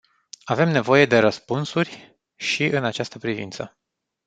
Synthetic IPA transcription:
ave̞mne̞vo̞je̞d̪e̞ɾəspunsurʲ | ʃiʔɨnat͡ʃast̪əpɾivḭnt̪sə

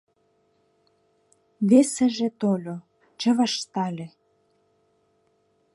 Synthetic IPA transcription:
βesĕʒĕt̪olʲo | t͡ɕə̆βɑʃt̪ɑlʲe

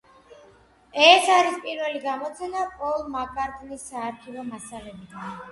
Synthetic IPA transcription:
ɛsaɾispʼiɾvɛliɡamɔt̪sʰɛnapʼɔlˠmakʼaɾt̪ʼnisːaːɾtʰivɔmasalɛbi

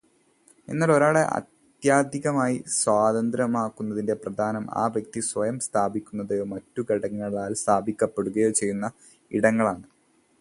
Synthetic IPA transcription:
e̞̰nːaɭo̞ɾaːɭe̞ʔɐ̰t̪ | jaːd̪ʱiɣɐmaːjiswaːd̪ɐnd̪ɾɐmaːkːunːɐðinde̞prɐd̪ʱaːnɐma̰ːʋjɐk̚t̪iswɐjɐmst̪ʰaːbʱikʲːunːɐðejoːmɐtːuɡɐɽɐŋːɐɭaːlst̪ʰaːbʱikʲːɐpːe̞ɽuɣɐjo̞ːt͡ɕejːunːɐ | iɽɐŋːɐɭaːɳɨ

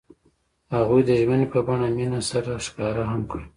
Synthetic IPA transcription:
haɣujd̪əʒmənepəbaɳaminasaɾaʃkɑɾaɦamkɽ

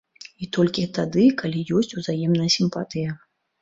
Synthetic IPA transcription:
it̪ɔlʲkʲit̪ad̪ɨkalʲijɔsʲt͡sʲuzajɛmnɐjɐsʲimpat̪ɨjɐ

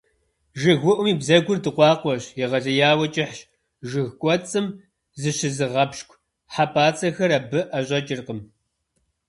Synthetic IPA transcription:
ʒɪɣʷʊʔʷʊmiːbzɐɡʷʊrdɨqʷɑːqʷɔɕjɛʁɐɮɐjaːwɐt͡ʃʼɪħɕ | ʒɨɣkʷʼɔt͡sʼɨm | zɨɕɪzɨʁɐpʃkʷʰ | ħapʰaːt͡sʼɐxɐɾɐbɨʔɐɕʼɐt͡ʃʼɪrqəm

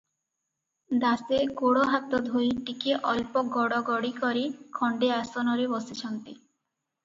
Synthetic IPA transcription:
d̪asekoɽoɦat̪ːod̪ʱoɾiʈikeʔɔlpoɡɔɽɔɡɔɽikɔɾikʰɔɳɖeasonɔɾebɔsit͡ɕʰɔnt̪e

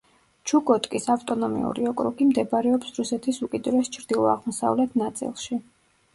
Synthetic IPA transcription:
t͡ʃʰukʼɔt̪ʼkʼisavt̪ʼɔnɔmḭṵɾiɔkʼɾuɡimd̪ɛbɾɛɔpsɾusɛt̪ʰisukʼid̪uɾɛst͡ʃʰɾd̪̥ilˠɔa̰ʁmɔsa̰vlɛt̪ʰnat̪sʼḭlˠʃi

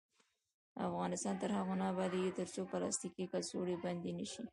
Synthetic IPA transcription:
a̰fɣɑnɪst̪ɑnt̪əɾhaɣonɑbɑd̪iwit̪əɾt͡sopəlɑ̰st̪ikikalsoɽiband̪enəʃi

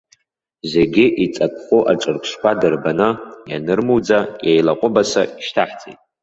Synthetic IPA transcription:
zeɡʲɪʔit͡sʼapʷʰʼχʷoʔaʈ͡ʂʷʼɨrkʷʼʰʂkʷadɨrbanɨja̰nɨrmuwd͡zajejlaqʷʼʊbasaiʃtʰaħt͡sʼḭtʼ

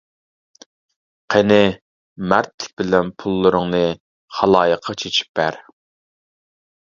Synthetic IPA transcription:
qʰenɪ | mæɾt̪ʰːɪ̥bɪlɛnpʰulˠːɨɾəŋnɨ | χɑlˠɑːjəqʰːɑt͡ʃʰet͡ʃʰi̥p̚ːæɾ

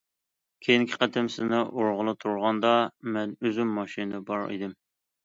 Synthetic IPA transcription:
kʲʰejiŋkʲʰɪ̥qʰɛt̪ʰɪmsɪznɪʔoɾʁʊlˠɨt̪ʰuɾʁɑnd̪ɑmɛnøzymːɑʃinɨbɑɾḭd̪ɪm

